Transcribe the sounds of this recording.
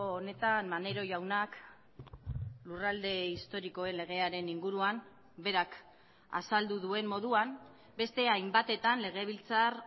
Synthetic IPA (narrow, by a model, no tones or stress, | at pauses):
one̞t̪anmane̞ɾo̞ʝawnak | lurald̪e̞ist̪o̞ɾiko̞e̞nle̞ɣ̞e̞aɾe̞niŋɡuɾuan | be̞ɾak | a̰sald̪uðue̞mmo̞ðuan | be̞st̪e̞ajmbat̪e̞t̪anle̞ɣ̞e̞βilt͡sar